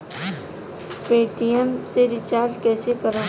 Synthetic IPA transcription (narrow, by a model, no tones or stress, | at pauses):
peːʈijəmseɾɪt͡ʃaːɾd͡ʒkɛːsekəɾã